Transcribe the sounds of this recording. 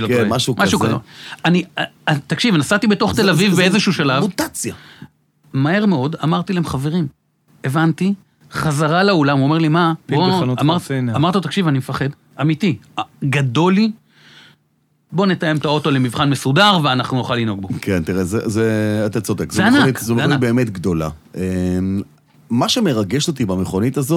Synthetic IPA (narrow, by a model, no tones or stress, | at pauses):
lomaʃumaʃukaeanit̪akʃivnasat̪ibet̪o̞χt̪elavivbeezeʃuːʃalavmut̪at͡sja | mahe̞ʁme̞o̞damaʁt̪ilahemχave̞ʁim | evant̪i | χazaʁalaolamuome̞limaboamaʁtamaʁtot̪akʃivanimefaχe̞d | amiti | ɡado̞li | bo̞ne̞t̪aje̞mt̪ao̞to̞lemivχanmesudaʁveanaχnunoχalino̞ɡ̚bokʰent̪iʁezezeat̪at͡sodekzeaanaikzomibeːmet̪ɡd̪o̞la̰ʔem | maʃeme̞ʁaɡeʃot̪ibameχonit̪azo